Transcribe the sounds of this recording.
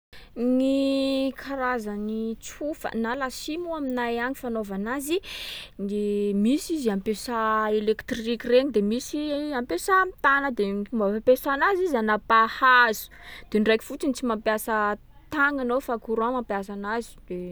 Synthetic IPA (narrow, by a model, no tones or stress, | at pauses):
nikʰaɾazanit͡sufa̰nalasimuaminajaɲifanovanazinemisizampesaelekt̪rikireɲid̪emisiampesamt̪anəd̪eumapesanazizanapahazu̥d̪̥enrajki̥fut͡sinit͡simampjasə | t̪aŋanowfakuɾãmampjas̬anazi̥d̪̥e